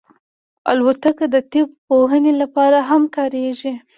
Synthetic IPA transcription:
a̰lwat̪akad̪ət̪ɪb̚poɦənelapɑɾaɦamkɑɾeʒi

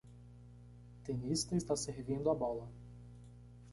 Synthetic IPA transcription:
t̪enist̪ɐist̪asehvĩnd̪ʊabɔlɐ

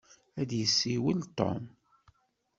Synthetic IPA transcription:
æd̪jəsːiwəlt̪ɔ̰m

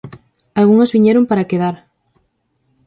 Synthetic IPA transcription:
alɣuŋozβiɲɛɾompaɾakeðaɾ

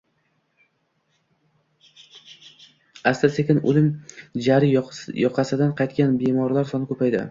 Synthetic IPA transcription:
ast̪asekʲɪnʊ̰lɪmd͡ʒaɾɪjɒqʰɑsɪd̪anqʰɑjt̪kʲʰanbemɒɾlaɾsɒnɪkʰɵpʰajd̪ɪ̰

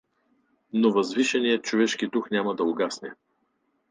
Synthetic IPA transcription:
novɐzviʃɛnijət̪̚t͡ʃovɛʃkid̪uxnʲamɐd̪ɐʊɡasnɛ

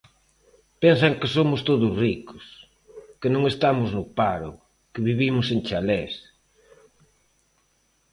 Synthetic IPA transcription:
pensaŋkɪsomʊst̪oðʊsrikʊ̥s | kɪnõŋest̪amʊznʊpaɾʊ̰ | kɪβiβimʊsent͡ʃalɛs

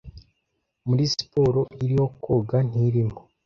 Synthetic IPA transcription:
muɾisi̥po̞ɾo̞ʔiɾiho̞kʰoːɡan̥iɾimo

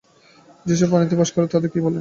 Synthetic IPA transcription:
d͡ʑeʃ̬ɔbɔnit̪ibaʃkɔɾat̪ɔd̪eɾkibolːe

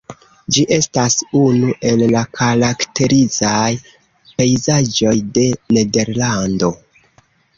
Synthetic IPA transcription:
d͡ʒiʔe̞stasunuʔe̞lːakʰaɾakte̞ɾizaj | pe̞jzad͡ʒo̞jde̞ne̞de̞ɾlando̞

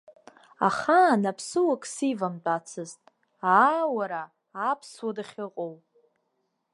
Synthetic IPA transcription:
a̰χaːnapʰsɨwakʼsivamt͡pʼat͡sʰɨztʼ | awaɾaː | pʰswadaχʲɪqʼowpʼ

